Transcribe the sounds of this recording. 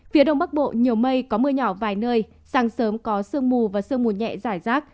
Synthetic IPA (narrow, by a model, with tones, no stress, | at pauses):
fi˨˦ɗə˧wŋ͡mɓa˦˥k̚ɓo̰˧˨ɲi˨˩əwmə˧jkɔ˨˦mɨ˧əɲɔ˧˩vaː˨˩jnəː˧j | saː˨˩ŋsəː˨˦mkɔ˨˦sɨ˧əŋmu˨˩vaː˨˩sɨ˧ŋmu˨˩ɲɛ̰˧˨zaː˧˩jzaː˦˥k̚